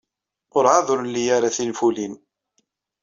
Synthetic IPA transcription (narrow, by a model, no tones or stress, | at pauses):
ʊɾʕaðʊɾlːijaɾaθinfulin